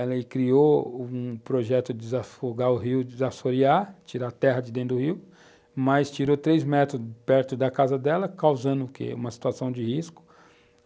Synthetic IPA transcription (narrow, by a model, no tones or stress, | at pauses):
ɛlɐɪkɾioũpɾoʒɛt̪ʊd͡ʒɪɪzafoɡaʊɦiwd͡ʒɪzafoɾiat͡ʃiɾat̪ɛɦɐd͡ʒɪd̪ẽd̪ʊhiw | mɐjst͡ʃiɾot̪ɾejzmɛt̪ɾʊpɛɾt̪ʊd̪ɐkazɐd̪ɛlɐkawzɐ̃d̪ʊkḛũmɐsi̥t̪uasɐ̃w̃d͡ʒɪhiskʊ̥